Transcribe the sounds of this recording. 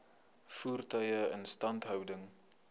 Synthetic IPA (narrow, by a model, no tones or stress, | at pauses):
fuːrtœjəə̰nstɐntɦœwdəŋ